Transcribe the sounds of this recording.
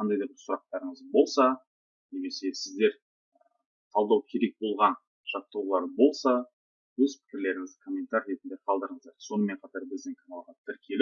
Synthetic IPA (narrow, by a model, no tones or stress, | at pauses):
qʰɑnd̪ɑjd̪ɑɾbɪsʊɾɑq̚t̪ɑɾəɴəzbo̞lˠsɑ | ne̞me̞se̞sɪzd̪e̞ɾ | q̪ʰɑlˠd̪ɑwkʲʰe̞ɾe̞k̚bo̞lˠʁɑn | ʒ̥ɑt̪ːəwlˠɑɾbo̞lˠsɑ | wɵzpʰɪ̥kʲɪɾle̞ɾɪŋɪzd̪ɪkʰo̞mʲe̞nt̪aɾɾe̞t̪ɪnd̪eqʰɑlˠd̪əɾəɴəzd̪ɑɾso̞nəme̞ɴqʰɑt̪ɑɾbɪzd̪ɪŋkʰanalˠʁɑt̪ʰɪɾkʲʰe̞lɪ